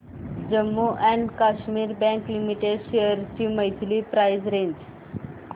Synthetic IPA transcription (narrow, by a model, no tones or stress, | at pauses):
d͡ʑəmːuʔɛ̃ɳɖkaɕmiːɾbɛ̃ŋklimiʈeɖɕeəɾt͡ɕiməjt̪ʰlipɾajzɾẽɲd͡ʑ